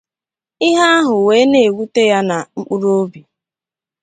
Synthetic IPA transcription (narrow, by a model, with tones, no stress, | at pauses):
ɪ˦ɦa˦a˦ɦʊ˨we˨˦ne˨wu˦te˦ja˦na˨ŋ͡m̩˦k͡pu˦ɾo˦bi˨